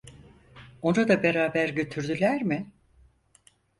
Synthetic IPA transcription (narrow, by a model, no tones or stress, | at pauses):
o̞nad̪abe̞ɾaːbæɾɟø̞t̪ʰyɾd̪ylʲæɾmɪ